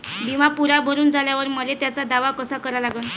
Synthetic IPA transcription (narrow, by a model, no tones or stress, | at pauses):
bʱimapuɾabʱəɾuːnd͡zʱaljaʋəɾməlet̪jat͡sad̪aʋakəsakəɾalaɡən